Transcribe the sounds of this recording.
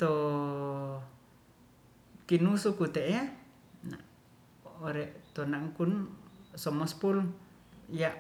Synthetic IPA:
t̪o | kinusukut̪eʔea | na̰ | oɾɛʔt̪onaŋkunsɔmɔspul | jaʔ

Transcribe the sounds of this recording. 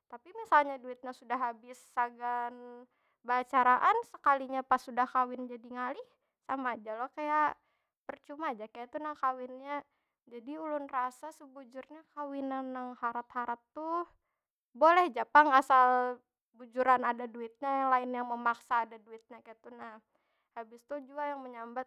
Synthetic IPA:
t̪apimisalɲaduɪt̪̚ɲasudaɦabɪsːaɡan | baat͡ʃaɾaʔansəkaliɲapasudahkawɪnd͡ʒadiŋalɪh | samaːd͡ʒalohkajaʔ | pərt͡ʃumad͡ʒakajat̪unakawɪnɲa | d͡ʒadiulʊnrasasəbud͡ʒʊrɲakawinanːaŋhaɾat̪haɾat̪ːu | bolɛhd͡ʒapaŋasal | bud͡ʒuɾanadaduɪt̪̚ɲajaŋlaɪnjaŋməmaksaːdaduɪt̪̚ɲakajat̪unah | habɪst̪ud͡ʒuajaŋməɲambat̪̚

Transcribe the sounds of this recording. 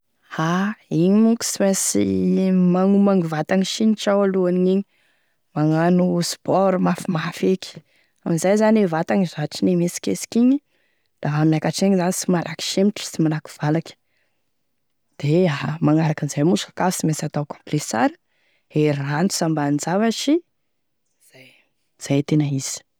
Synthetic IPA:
haiɲimuki̥simesimaŋumaŋivat̪aŋiʃiniʈ͡ʂawaluaniiɲi | maŋanuspɔɾmafimafeki̥ | amizajzanivat̪aŋizaʈ͡ʂinemesi̥kesi̥kiɲi | d̪̥aɦamnakaʈ͡ʂeɲizanisimalaki̥ʃemʈ͡ʂi̥simanaku̥v̥alakʲə̥ | d̪̥eamaŋaɾakənzajmusḁkafsimesat̪awkõ̥mplesa̰ɾə̥ | eɾant̪u̥sambanid͡zavaʃi | z̥aj | z̥ajt̪enaiz̥i̥

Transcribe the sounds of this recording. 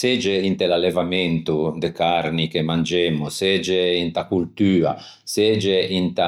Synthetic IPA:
sed͡ʒeint̪elalːevamɛnt̪ud̪ekarnikemand͡ʒemːused͡ʒeint̪akult̪yːa̰ | sed͡ʒeint̪a

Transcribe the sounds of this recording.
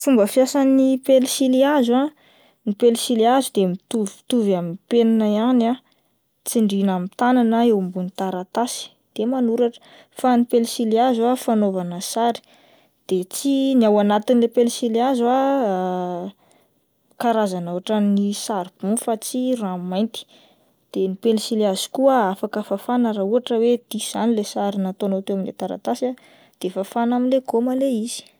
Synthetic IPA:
fumbəfjasanipelsiliazua | nipelsiliazud̪emit̪uvit̪uvaminpenanaiana | t͡siɳɖ͡ʐinamit̪ananəewmbunit̪aɾat̪asi̥ | d̪̥emanuɾaʈ͡ʂə̥ | fanipelisiliazuafanovanəsaɾi̥ | d̪̥et͡siniawanat̪inilepelsileaza | kaɾazanuaʈ͡ʂənisaɾib̥ufat͡sirãmajnt̪i̥ | d̪̥enipelisilazi̥kuəafakəfafanəɾauaʈ͡ʂəwed̪̥iz̥anilesaɾinat̪onot̪ewaminḛt̪aɾa̰t̪asia | d̪̥efafanaminleɡomaleiz̥i̥

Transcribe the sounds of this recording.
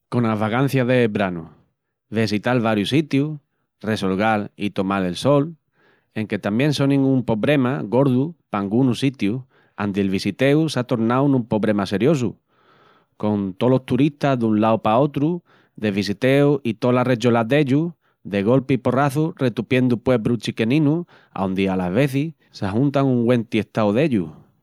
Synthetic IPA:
ko̞naβaɣan̟θjaðebɾanṵ | βesit̪alβaɾjusit̪ju | re̞so̞lɣalḭt̪o̞male̞lso̞l | e̞ŋke̞t̪amjẽ̞nso̞nĩŋumpo̞βɾe̞maɣo̞ɾðupaŋɡunusit̪ju | a̰nd̪eelβisit̪e̞usat̪o̞ɾnawnũmpo̞βɾe̞mase̞ɾjo̞s̬ṵ | ko̞nt̪o̞lo̞st̪uɾiht̪aɦðunlawpao̞t̪ɾu | ðe̞βisit̪e̞uit̪o̞lare̞t͡ʃolaðe̞ʎu | ðe̞ɣ̞o̞lpeipo̞raθure̞t̪upje̞nd̪upwe̞bɾut͡ʃike̞nĩnu | a̰wnd̪ialazβe̞θi | seaɦunt̪aŋuŋɡwe̞nt̪ieht̪awðe̞ʎu

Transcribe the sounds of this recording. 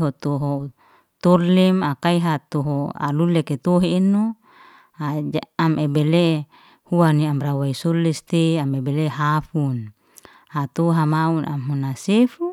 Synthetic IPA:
ɦot̪oɦo | t̪orlɛmakaiɦat̪oɦoa̰luleket̪oɦeːno | aamʔebele | huaniamɾawaisolɛst̪eamebeleɦafun | hat̪oɦamauna̰mɦunasefu

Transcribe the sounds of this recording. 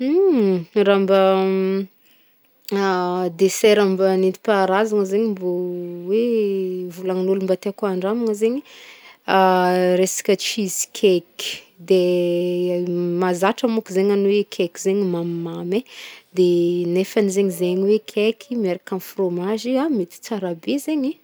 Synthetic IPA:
rambə | d̪esɛɾambanint̪i̥paɾazaŋəzeɲimbowevulaŋnulumbat̪eakuaɳɖ͡ʐamaŋəzeɲi | aɾesḁkʲət͡ʃizi̥kʲʰeki̥ | d̪e | mazaʈ͡ʂəmukizeɲanuwekʲʰekizeɲimammamed̪enefanizeɲizeɲiwekʲʰekʰimeɾakanfromaʒiamet̪i̥t͡saɾabezeɲi

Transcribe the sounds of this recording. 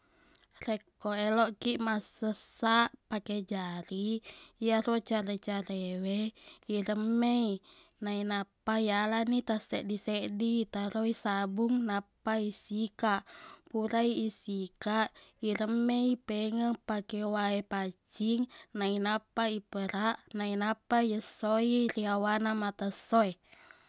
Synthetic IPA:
rɛkːoɛlɔʔkiʔmasəsaʔpakɛd͡ʒaɾijaɾot͡ʃaɾet͡ʃaɾewɛiɾəmːei | nainapːajalanit̪asɛ̰ʔdisɛʔdit̪aɾoisabuŋnapːaisikaʔpuɾaiːsikaʔiɾəmːeipɛŋəŋpakɛwaepat͡ʃiŋnainapːaipəɾaʔnainapːajəsːoiriawanamat̪asːoe

